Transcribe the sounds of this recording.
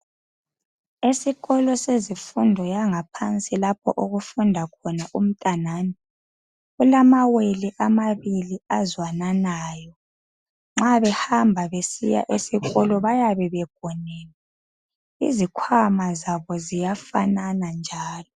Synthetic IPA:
esiɣɔlɔsezifundʱɔjaŋapʰant͡sʼilap̚ʰɔ̰ʔoɣufundʱakʰɔnaʔum̩tʼanaːni | ɣulamaweliʔamaβiliazwananaːjɔ | ŋ͡ǁaβɛhambʱaβesḭja̰ʔesiɣɔlɔβajaβɛβɛɡ̥̚ʱɔnɛːlɛ | ḭzikʰwamazaβɔzijafa̰nanand͡ʒʱaːlɔ

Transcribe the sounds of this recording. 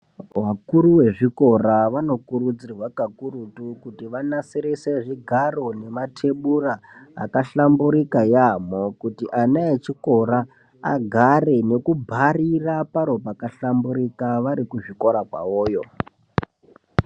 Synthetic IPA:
wakuɾuwe̞ʐiko̞ɾaʋano̞kuɾud͡zirwakakuɾutukutiʋanasiɾeseʐiɡʱaro̞ne̞matʰe̞ɓura̰ːkaɬambuɾikajamo̞kutiʔanaet͡ʃiko̞ɾa | a̰ɡʱare̞ne̞kubʱarirapaɾo̞pakaɬambuɾikaʋaɾikuʐiko̞ɾakwa̰woːjo̞

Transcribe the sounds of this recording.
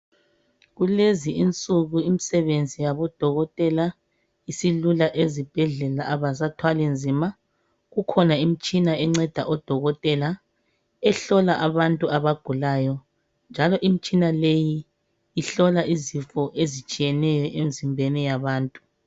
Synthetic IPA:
ɣuleziint͡sʼuɣuimisɛβend͡zʱijaβɔd̥ʱɔɣɔtʼɛla | isilulaʔezib̥ʱɛɮɛlaʔaβasatʰwalind͡zʱima | ɣukʰɔnaim̩t͡ʃʼinaɛŋ͡ǀɛd̥ʱa̰ʔɔd̥ʱɔɣɔtʼɛla | ɛɬɔlaʔaβantʼuaβaɡ̥ʱulaːjɔ | nd͡ʒʱalɔʔim̩t͡ʃʼinalejiː | ɬɔlaʔizifɔʔezit͡ʃʼijɛnɛjɔʔemizimbʱɛnɛjaβaːntʼu̥

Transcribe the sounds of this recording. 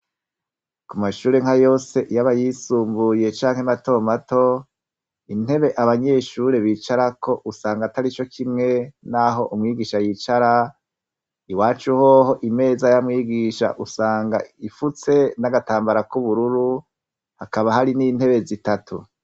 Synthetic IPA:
kumaʃuːɾe̞ŋhajo̞ːse̞ʔjaβajisuːmbuje̞t͡ʃaːŋhemato̞mato̞ | inhe̞βe̞ʔaβaɲe̞ʃuɾe̞βiːt͡ʃaɾako̞ʔusaːŋɡataɾit͡ʃo̞kʰimŋe̞naɦo̞ʔumŋiːɡiːʃajiːt͡ʃaɾa | iwaːt͡ʃuhoho̞ʔime̞ːzajamŋiːɡiʃa̰ʔusaːŋɡa̰ifut͡se̞naɡataːmbaɾakuβuɾuɾu | hakaβahaɾinin̥he̞βe̞zitatʰṵ

